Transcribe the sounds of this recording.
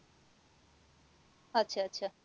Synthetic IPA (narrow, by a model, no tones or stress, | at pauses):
ətːɕʰaɐtːɕʰa